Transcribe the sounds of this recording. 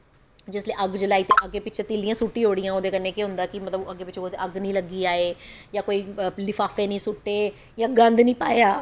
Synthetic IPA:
d͡ʒɪsleːʔəɡd͡ʒəlaːiːt̪eːʔəɡeːpɪt͡ʃʰeːt̪iːlijãːsuʈːĩːɦoːɽijãːoːd̪eːkənẽːkeɦʊ̃nd̪aːkɪmət̪ləbəɡeːpɪt͡ʃʰoːt̪eəɡnĩːləɡiːaːeːjãːkoːiːlɪfʰaːfeːnĩːsʊʈːeː | jãːɡənd̪nĩːpa̰ːeaː

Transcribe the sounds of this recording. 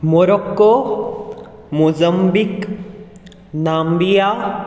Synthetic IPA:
moɾokːo | muzɐmbik | naːmbija

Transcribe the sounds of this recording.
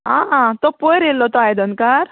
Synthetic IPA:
ɦãɦãt̪ɔpojɾelːɔt̪ɔajd̪ənkaɾ

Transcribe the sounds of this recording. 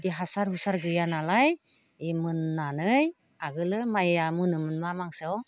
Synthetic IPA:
diɦasaɾhusaɾɡɯjanalaj | emɯnːanɯj | aɡɯlɯmajamɯnɯmɯnmamaŋsɯw

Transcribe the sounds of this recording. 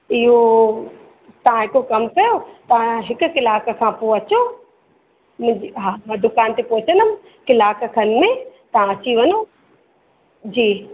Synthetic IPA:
ɪɦo | t̪ɐʋ̤ãɦɪkokɐmkɐjot̪ɐ̤ãɦɪkʊ̆kɪlaːkkʰãːpoɐt͡ɕo | mʊ̃d͡ʑiɦamɛ̃d̪ʊkaːnt̪epoːt͡ɕənəm̆ | kɪlaːkkʰənɪ̆mẽt̪ɐɦãɐt͡ɕiʋɐno | d͡ʑiː

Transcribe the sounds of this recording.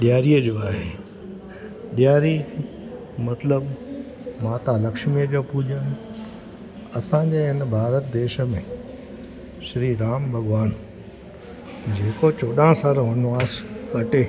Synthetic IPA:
ɗijaːɾiəd͡ʑoːaːɦe | ɗijaːɾi | mɐt̪ləb | maːt̪alɐkʃmijəd͡ʑoːpuʄən | ɐsãɲd͡ʑeɦɪnbʱaːɾət̪̚d̪eːʃə̆mẽ | ʃɾiɾaːmbʱɐɠʋaːn | d͡ʑeːkot͡ɕoːɗãsaːɾoɦʊnʋaːskɐʈeː

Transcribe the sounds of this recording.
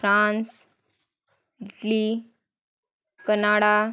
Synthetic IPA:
fɾãns | ʈli | kənaɽa

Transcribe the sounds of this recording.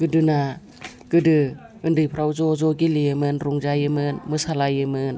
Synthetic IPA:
ɡ̥ɯdɯna | ɡ̥ɯdɯ | ɯndɯjpʰɾawzɔzɔɡiliɯmɯnɾuŋzajɯmɯnmɯsalajɯmɯn

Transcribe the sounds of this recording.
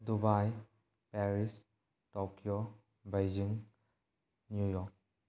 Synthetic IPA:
dubaj | pɛɾis | tɔkio | bejd͡ʒiŋ | njujɔk̚

